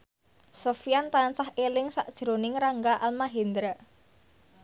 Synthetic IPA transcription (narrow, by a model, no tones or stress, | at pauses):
sofijant̪ansahelɪŋsaʔd̥ʒ̥ɾonɪŋɾaŋɡaʔalmaɦend̪ɾə